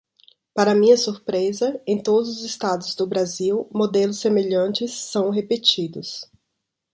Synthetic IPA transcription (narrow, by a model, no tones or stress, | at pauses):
paɾɐmĩɲɐsuɾpɾezɐẽj̃t̪od̪ʊzʊzɪst̪ad̪ʊzd̪ʊbɾaziwmod̪elʊsːemeʎɐ̃nt͡ʃɪsːɐ̃w̃ɦepet͡ʃid̪ʊs